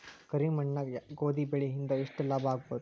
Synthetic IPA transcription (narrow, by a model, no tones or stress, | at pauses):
kəɾiːmɐɳːajɡod̪iːbeɭiɦind̪aiʂʈəlabaːɡ̚bət̪